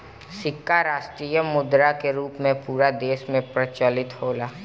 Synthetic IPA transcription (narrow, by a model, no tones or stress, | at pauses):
sɪkːaɾaːʃʈɾiːjəmʊd̪ɾakeɾuːpmẽpuːɾad̪eːʃmẽpɾɐt͡ʃəlɪt̪hoːlaː